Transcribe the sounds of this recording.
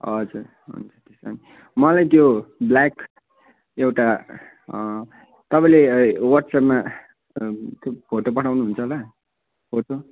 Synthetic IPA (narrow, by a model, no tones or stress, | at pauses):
ʌd͡zuɾ | ɦṵnt͡sʌt̪esani | mʌlajt̪joblak | ewʈa | t̪ʌpaĩlewʌʈsapma | t̪jopʰoʈopʌʈʰawnuɦunt͡sʰʌlʌ | pʰoʈo